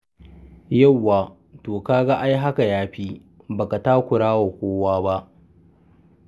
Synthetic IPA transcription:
ja˦˨wːaː˨ | toː˨kaː˦ɡa˦ʔa˦jɦa˦ka˨jaː˦ɸiː˦ | baː˨ka˨taː˦kʷʊ˨ɽaː˦wa˨kʷoː˦waː˦ba˦ʔ

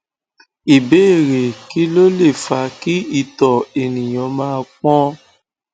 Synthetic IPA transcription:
i˨be˦˨ɾe˨ki˦lo˦le˦˨fa˧ki˦i˦˨tɔ˨e˨nĩ˨j̃ɔ̃˨˧˦mãː˦˧k͡pɔ̃˦

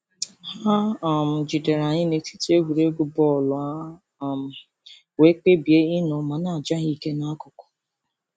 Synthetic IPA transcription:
ha˦˨m̩˨d͡ʒi˨de˨ɾa˨ɲɪ˦ne˨ti˦te˦ɡʷu˨ɾe˦ɡu˦bɔ˦˨lʊ˨a˦˨ | m̩˨ | we˦k͡pe˦bi˨e˦ɪ˦nɔ˨ma˨na˦˨d͡ʒa˦ɣi˦ke˦na˦kʊ˨kɔ̥˨

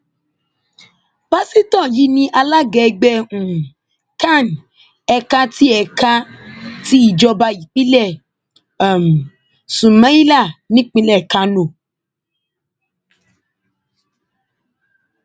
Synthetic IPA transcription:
ba˦si˦tɔ̃˦˨ji˨˦nĩ˧ʔa˧la˦ɡɛ˨˧ɡ͡bɛ˧ũ˨ | ta˦˨n˨ | ɛ˧ka˦ti˦ɛ˨ka˦ti˦i˦˨d͡ʒɔ˧ba˧i˨k͡pi˦lɛ˦˨ | m˨ | sũ˨mã˦i˦la˦˨nĩ˦k͡pĩ˧lɛ˦˨ka˨˦nõ˨

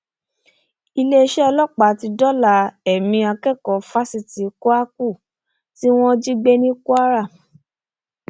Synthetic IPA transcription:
i˧le˦˧ʃɛ˦ɔ˧lɔ˦k͡pa˨˦ti˧dɔ˦la˨ɛ˨mĩ˧a˧kɛ˦˨kɔ˨˦fa˦si˦˨ti˨ku˦a˦ku˦˨ | ti˦w̃ɔ̃˦d͡ʒi˦ɡ͡be˦nĩ˦ku˦a˦ɾa˦˨

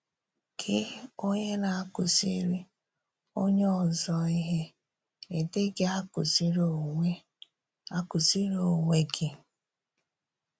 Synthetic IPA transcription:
kʰɪ˦o˦ɲe˦na˨a˦kʊ˨si˦ɾi˦ | o˦ɲe˦ɔ˨zɔ˦i˦ɦe˦ | e˨te˦ɡe˦a˦kʊ˨si˦ɾo˨ŋʷe˦ | a˦kʊ˨si˦ɾo˨ŋʷe˦ɡɪ˨

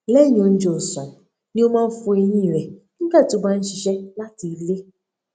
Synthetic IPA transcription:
le˦ɲo˨n̩˦d͡ʒo˨sɔ˨ | ni˦o˦ma˦fu˨˦e˦ɲi˦i˨ɾe˨ | ŋ̩˦ka˦˨tʊ˨ɡ͡ba˦n̩˦t͡ʃi˨ʃe˦la˦ti˨le˦

